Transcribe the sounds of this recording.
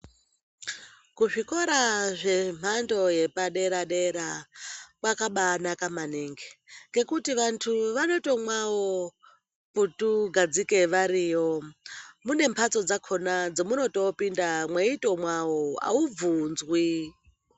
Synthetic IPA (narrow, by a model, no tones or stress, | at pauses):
kuʐiko̞ɾaʐe̞m̥̤ando̞je̞paɗe̞ɾaɗeɾa | kwakaɓanakamaneŋɡeŋɡe̞kutiʋantʰuʋano̞ito̞mwao | putuɡʱad͡zike̞ʋaɾijomune̞mpʰat͡so̞d͡zakʰonad͡zomuno̞to̞pindamweitʼo̞mwaoa̰ub͡vunzwi